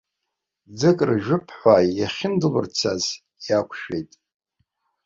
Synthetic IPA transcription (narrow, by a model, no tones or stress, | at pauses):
d͡zɨkʼrʒᶣʊpʰħʷajaχʲɪndɨlɨ̰rt͡sʰaz | jakʷʰʼʃᶣejtʼ